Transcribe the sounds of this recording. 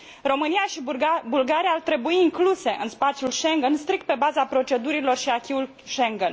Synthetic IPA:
ro̞mɨnijaʃibulɡaɾiaːrt̪ɾe̞buiːŋkluse̞ʔɨnspat̪sjulʃe̞ŋɡenst̪ɾikt̪̚pe̞bazapɾo̞t͡ʃe̞d̪uɾilo̞rʃiakʲiul | ʃeŋɡen

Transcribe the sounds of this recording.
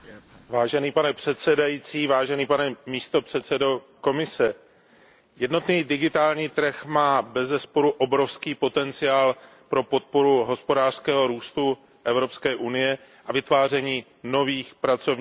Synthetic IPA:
vaːʒɛniːpanɛpr̥ɛt̪sɛdajit͡siːvaːʒɛniːpanɛmiːst̪o̞pr̝̥ɛt̪sɛdo̞ | ko̞mɪsɛ | jɛdno̞t̪niːdɪɡɪt̪aːlɲiːt̪r̩xmaːbɛzɛspo̞ɾuʔo̞bɾo̞fskiːpo̞t̪ɛnt͡sɪjaːl | pɾo̞po̞t̪̚po̞ɾuɦo̞spo̞daːr̥skɛːɦo̞ɾuːst̪u | ʔɛvɾo̞pskɛːʔunɪjɛ | ʔavɪt̪vaːr̝ɛɲiː | no̞viːxpɾat͡so̞vɲː

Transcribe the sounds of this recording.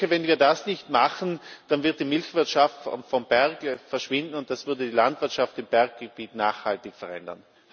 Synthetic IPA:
əvɛnviːɐdasnɪçtmaχn̩d̥anvɪɐt̚d̥imɪlçv̥ɪɐtʃaftffɔmb̥ɛɐɡəfɛɐʃv̥ɪndn̩ʊnt̚d̥asv̥ʏɐdədiːlantv̥ɪɐtʃaftɪmb̥ɛɐk̚ɡ̥əb̥iːtnaːχhaltɪçfɛɐʁɛ̰ndɐ̰n

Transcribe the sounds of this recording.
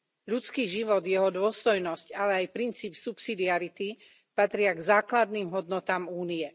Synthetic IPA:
ʎut͡skiːʒiʋɔd̪jɛɦɔd̪ʊɔst̪ɔjnɔscalɛajpɾint͡siːpsupsid̪iaɾit̪i | pat̪ɾɪaɡzaːklad̪niːmɦɔd̪nɔt̪aːmuːniɛ

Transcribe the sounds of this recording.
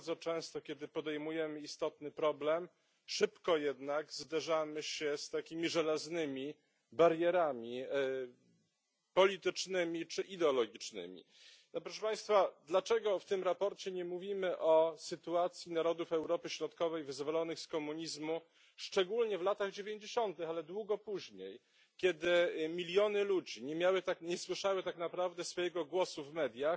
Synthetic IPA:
aɾd̪zɔt͡ʂɛ̃w̃st̪ɔkʲɛd̪ɘpɔd̪ɛjmujɛmɘist̪ɔt̪nɘpɾɔblɛm | ʂɘpkɔjɛd̪naɡzd̪aʐamɘɕɛst̪akʲimʲiʐɛlaznɘmʲi | baɾjɛɾamʲi | pɔlʲit̪ɘt͡ʂnɘmʲit͡ʂɘʔid̪ɛɔlɔɡʲit͡ʂnɘ̰mʲḭ | pɾɔʂɛpaj̃st̪fad̪lat͡ʂɛɡɔft̪ɘmɾapɔɾt͡ɕɛɲɛmuvʲimɘʔɔsɘt̪uat̪sʲjinaɾɔd̪ufɛwɾɔpɘɕɾɔt̪kɔvɛjvɘzvɔlɔnɘxskɔmuɲizmu | ʂt͡ʂɛɡulɲɛvlat̪aɣd͡ʑevʲjeɲd͡ʑeɕɔnt̪ɘxalɛd̪wuɡɔpuʑɲej | kʲɛd̪ɘmʲilʲjɔnɘlud͡ʑiɲɛmʲjawɘt̪akɲɛswɘʂawɘt̪aknapɾavd̪ɛsfɔjɛɡɔɡwɔsuvmɛd̪ʲjax

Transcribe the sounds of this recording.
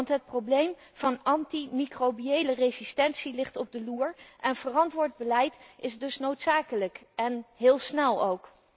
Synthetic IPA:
ntɦət̚prowblejm | v̥ɑnɑntimikrobiejlərezistɛnsilɪχtɔb̚dəluːɹʔɛnv̥ərɑntʋʊːɹd̚bəlɛjtɪzdɵsnowtsaːkələkɛnɦɪːlˠsnɛlˠowk

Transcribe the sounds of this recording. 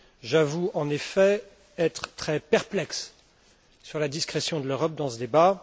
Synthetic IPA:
ʒavuɑ̃nefɛ | ɛt̪χt̪χɛpɛʁplɛksː | yʁlad̪iskχɛsjɔ̃d̪əløʁɔp̚d̪ɑ̃səd̪eba

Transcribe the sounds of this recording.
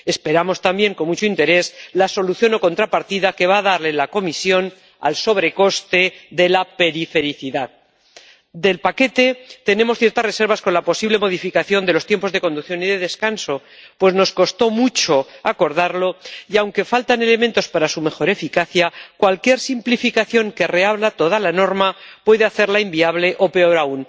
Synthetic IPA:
e̞spe̞ɾamo̞st̪ambje̞ŋko̞nmut͡ʃoint̪e̞ɾe̞zlaso̞luθjono̞ko̞nt̪ɾapaɾt̪iðake̞βaːðaɾle̞lako̞misjo̞n | a̰lso̞βɾe̞ko̞st̪e̞ðe̞lape̞ɾife̞ɾiθiðað | d̪e̞lpake̞t̪e̞t̪e̞nẽ̞mosθjeɾt̪asre̞se̞ɾβasko̞nlapo̞siβle̞mo̞ðifikaθjo̞nd̪elo̞st̪je̞mpo̞zðe̞ko̞nd̪ukθjo̞niðe̞ðe̞skanso̞ | pwe̞zno̞sko̞st̪o̞mut͡ʃo̞ako̞ɾðaɾlo̞iawŋke̞falt̪ane̞le̞mẽnt̪ospaɾasume̞xo̞ɾe̞fikaθjakwalkje̞ɾsimplifikaθjo̞ŋke̞re̞aβlat̪o̞ðalano̞ɾmapwe̞ðeaθe̞ɾlaimbiaβle̞ʔo̞pe̞o̞ɾaun

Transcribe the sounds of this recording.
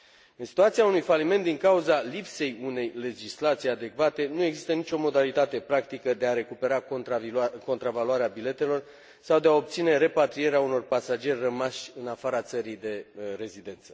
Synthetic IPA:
ɨnsi̥t̪uat̪sijaunujfalime̞nt̪d̪iŋkauzalipse̞june̞jle̞d͡ʒislat̪sijead̪e̞kvat̪e̞nue̞ɡzist̪ənit͡ʃʲo̞mo̞d̪alit̪at̪e̞pɾakt̪ikəd̪e̞aɾe̞kupe̞ɾa | ko̞nt̪ɾavaluaɾeabile̞t̪e̞lo̞r | sawd̪eao̞p̚t̪sine̞ɾe̞pat̪ɾije̞ɾeauno̞rpasad͡ʒe̞rʲrəmaʃʲɨnafaɾat̪səɾijd̪e̞re̞zid̪e̞nt̪sə̥

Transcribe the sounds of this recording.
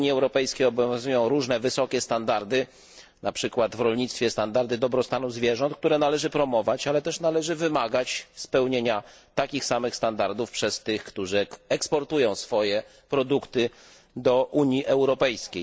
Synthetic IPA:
ɲjiɛwɾɔpɛjskʲejɔbɔvʲjʲjɔ̃zujɔ̃w̃ɾuʐnɛvɘsɔkʲɛst̪and̪aɾd̪ɘ | napʂɘkwad̪vɾɔlɲit̪st̪fʲjɛst̪and̪aɾd̪ɘd̪ɔbɾɔst̪anuzvʲjɛʐɔ̃nt̪kt̪uɾɛnalɛʐɘpɾɔmɔvat͡ɕalɛt̪ɛʂnalɛʐɘvɘmaɡat͡ɕspɛwɲeɲat̪akʲixsamɘxst̪and̪aɾd̪ufpʂɛst̪ɘxkt̪uʐɘɛkspɔɾt̪ujɔ̃w̃sfɔjɛ | pɾɔd̪ukt̪ɘ | d̪ɔʔuɲjiʔɛwɾɔpɛjskʲej

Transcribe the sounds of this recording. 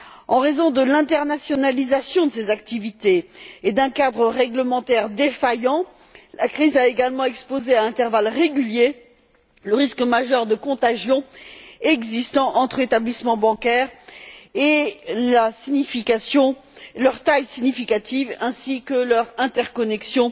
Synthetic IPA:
ɑ̃ʁezɔ̃d̪əlɛ̃t̪ɛʁnasjɔnalizasjɔ̃d̪əsezak̚t̪ivit̪eːd̪ɛ̃kad̪ʁəʁɛɡləmɑ̃t̪ɛʁd̪efajɑ̃ | lakχizaeɡalmɑ̃ɛkspozeaɛ̃t̪ɛʁvalʁeɡʲylje | ləʁiskmaʒœʁd̪əkɔ̃t̪aʒjɔ̃ɛɡzist̪ɑ̃ʔɑ̃t̪χəet̪ablismɑ̃bɑ̃kʲɛʁelasinifikasjɔ̃lœʁt̪ajsiɲifikat̪ivɛ̃sikəlœʁɛ̃t̪ɛʁkɔnɛksjɔ̃

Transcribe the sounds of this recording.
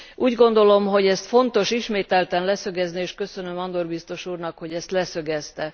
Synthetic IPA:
ʔuːɟɡo̞nd̪o̞lo̞mɦo̞ɟɛst̪fo̞nt̪o̞ʃiʃmeːt̪ɛlt̪ɛnlɛsøɡɛznieːʃkø̞sønømɒnd̪orbist̪o̞ʃuːrnɒkho̞ɟɛst̪lɛsø̞ɡɛst̪ɛ

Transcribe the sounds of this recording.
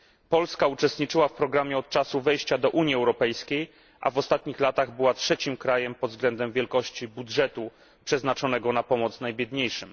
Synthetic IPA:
pɔlskaut͡ʂɛst̪ɲit͡ʂɘwafpɾɔɡɾamʲjɛɔt̪̚t͡ʂasuvɛjɕt͡ɕad̪ɔʔuɲiɛwɾɔpɛjskʲej | ʔa̰vɔst̪at̪ɲixlat̪aɣbɘwatʂɛt͡ɕimkɾajɛmpɔd̪vzɡlɛnd̪ɛmvʲjɛlkɔɕt͡ɕibudʐɛt̪u | pʂɛznat͡ʂɔn̪ɛɡɔnapɔmɔt̪snajbʲjɛd̪ɲejʂɘm

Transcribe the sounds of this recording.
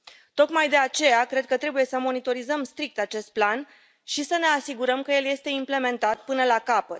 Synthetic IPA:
t̪o̞kmajd̪e̞at͡ʃe̞jakɾe̞d̪̚kət̪ɾe̞buje̞səmo̞nit̪o̞ɾizəmst̪ɾik̚t̪at͡ʃe̞st̪̚plan | ʃisəne̞asiɡuɾəmkəje̞lje̞st̪e̞imple̞me̞nt̪at̪̚pɨnəlakapət̪

